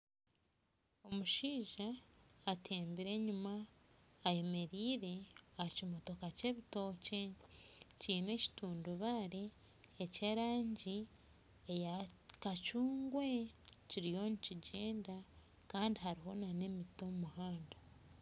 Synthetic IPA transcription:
o̞muʃiːʒaːtʰe̞ːmbiɾe̞ːɲumaː | je̞me̞ɾiːɾe̞acimo̞to̞kace̞ːβito̞ce̞ | ciːne̞ci̥tuːnduβaɾeː | ceɾaːɲɟi | ejakacuːŋɡwe̞ciɾijo̞niciɟe̞ːnda | kaːndiɦaɾiɦo̞nane̞mitomuhaːnda

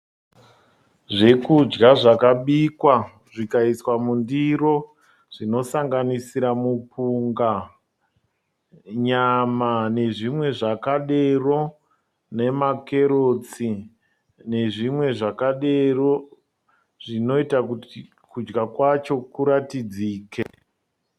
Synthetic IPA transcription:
ʐe̞kud͡ʒɡaʐakaɓikwa | ʐikaiswamundiro̞ | ʐ̥ino̞saŋɡanisiɾamupuŋɡa | ɲamane̞ʐimwe̞ʐakaɗe̞ro̞ | ne̞make̞ɾot͡si | ne̞ʐimwe̞ʐakaɗe̞ro̞ | ʐino̞itaku | kud͡ʒɡakwat͡ʃo̞kuɾatid͡ziːkḛ

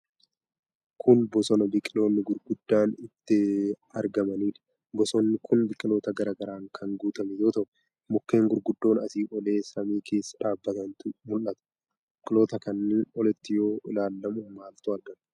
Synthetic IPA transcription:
kʰʊnbɔsɔnɐbɪkʼɪlo̞ːnːɪɡʊɾɡʊd̪ːaːnɪt̪ːɪ | ɐɾɡɐmɐniːᶑɐ̥ | bɔsɔːnːɪkʰʊnbɪkʼːɪlo̞ːt̪ɐɡɐɾaːɡɐɾaːŋkʰɐŋɡuːt̪ɐmɛjoːt̪ɐʔ | mʊkːe̞ːŋɡʊɾɡʊd̪ːo̞ːnɐsiːʔɔle̞ːsɐmiːkʰe̞ːsːɐ̥ᶑaːbːɐt̪ɐnt̪ʊmʊlʔɐt̪ɐ̥ | bɪkʼɪlo̞ːt̪ɐkɐnːeːnɔlɛt̪ːɪjoːɪlaːlːɐmʊmaːlt̪ʊɐɾɡɐn

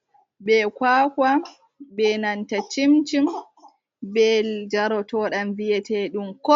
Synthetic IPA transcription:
ɓɛkwaːka | bɛnantat͡ʃimt͡ʃim | bɛld͡ʒaɾɔtɔːɗamvijɛtɛɗumkɔ

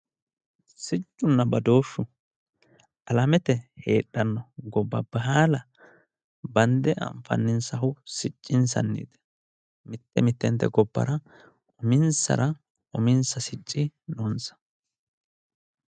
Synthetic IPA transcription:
sɪt͡ʃʼːʊnːɐbɐd̪o̞ːʃːʊ | ʔɐlɐmɛt̪ɛheːɗːɐnːɔɡɔbːɐ̰bɐɦaːlɐ | bɐnd̪ɛʔɐ̰ɱfɐ̰nːɪnsɐɦʊsɪt͡ʃʼːɪns̬ɐ̰nːḭːd̪ɛ̥ | mɪt̪ːɛmɪt̪ːɛnt̪ːɛ̰ɡɔbːɐ̰ɾɐ | ʔʊmɪnsɐ̰ɾɐ | ʔʊmɪnsɐsɪt͡ʃʼːɪnɔnsɐ̥

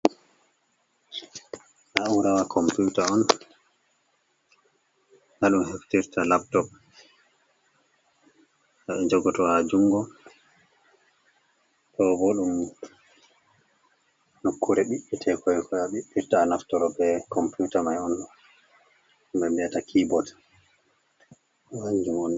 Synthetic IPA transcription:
ʔauɾawakʰɔmpjutaɔn | haɗumheftiɾtalap̚tɔp̚ | aɛd͡ʒɔɡɔtɔad͡ʒuŋɡɔ | tɔbɔɗum | nokʰːuɾɛɓiɓːitʰɛkɔjkʰɔjaɓiɓːiɾtaːnaftɔɾɔbɛkɔmpjutamajɔn | mbɛmbɛatakʰibɔt | waɲd͡ʒumɔn

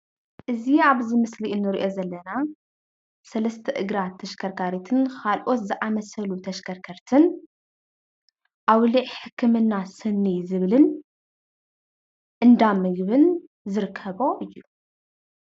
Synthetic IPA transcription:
ʔɨziaβzimɨsliʔɨnːɨɾiʔo̞zɐlːɐna | sɐlɐst̪ʰɐʔɨɡɾat̪ʰːɐʃkʰɐɾkʰaɾit̪ʰɨnkʰalʔo̞t̪zɨʔamɐsɐlut̪ʰɐʃkʰɐɾkʰɐɾt̪ʰɨn | ʔawliʕħɨkʰːɨmɨnːasɨnːizɨβlɨn | ʔɨnd̪amɨɡβɨn | zɨɾkʰːɐβo̞ʔɨjːu

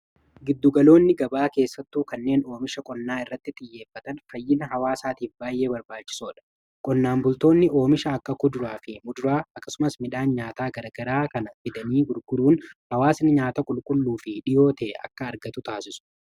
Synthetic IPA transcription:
ɡɪd̪ːʊɡɐlo̞ːnːɪɡɐbaːke̞ːsːɐt̪ːuːkɐnːe̞ːno̞ːmɪʃɐkʼɔnːaːɪrːɐt̪ːɪt̪ʼɪjːe̞ːfːɐt̪ɐnfɐjːɪnɐɦɐwaːsaːt̪iːfbaːjʔe̞ːbɐɾbaːt͡ʃːɪ̥soːᶑɐ̥ | kʼɔnːaːmbʊlt̪o̞ːnːɪʔo̞ːmɪʃɐːkːɐkʊd̪ʊɾaːfɪmʊd̪ʊɾaːɐkːɐ̥sʊmɐsmɪᶑaːnɲaːt̪aːɡɐɾɐɡɐɾaːkɐnɐfɪd̪ɐniːɡʊɾɡʊduːnhɐwaːsɪnɪɲaːt̪ɐkʼʊlkʼʊlːuːfɪᶑɪjo̞ːt̪ɛːɐ̰kːɐːɾɡɐt̪ʊt̪aːsɪsʊ̥

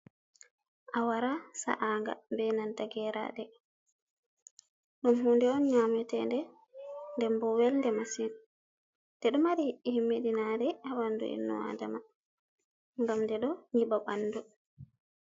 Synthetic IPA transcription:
ʔawaɾasa̰ʔaːŋɡa̰bɛnantaɡɛɾa̰ɗɛ | ɗumɦuːndɛɔnɲaːmɛtɛndɛ | ndɛmbɔwɛlndɛmasin | d̥ɛɗɔmaɾihiʔːihimːedinadɛawanːdṵḭnːṵa̰dama | ŋɡamdɛɗɔɲiɓaɓanːdu

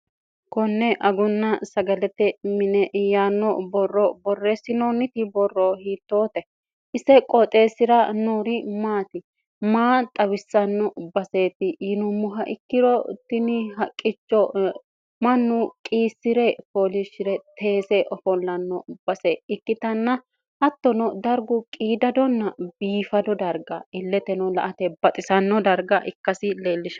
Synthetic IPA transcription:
kɔnːɛʔɐɡʊnːɐsɐɡɐlɛt̪ːɛmɪnɛʔjaːnːɔbɔrːɔbɔrːesɪnɔnɪt̪ɪbɔrːɔhiːt̪ːoːt̪ɛ | ʔɪsɛkʼɔt̪ʼe̞ːsɪɾɐnoːɾɪmaːt̪ɪ | maːt̪ʼɐβɪsːɐnːɔbɐse̞ːt̪ɪjɪnʊmʊɦɐʔɪkːɪɾɔt̪ːɪnɪɦɐkʼːɪt͡ʃːɔ | mɐnːʊkʼiːsːɪɾɛfoːlɪʃɪɾɛt̪ʰe̞ːsɛʔɔfɔlːɐnːɔb̥ɐsɛɪkːɪt̪ɐnːɐ | hɐt̪ːɔnɔd̪ɐɾɡʊkʼiːd̪ɐd̪ɔnːɐbiːfɐd̪ɔd̪ɐɾɡɐɪlːɛt̪ɛnɔlɐʔɐt̪ɛbɐt̪ʼɪsɐnːɔd̪ɐɾɡɐʔɪkːɐsɪleːlːɪʃɐ

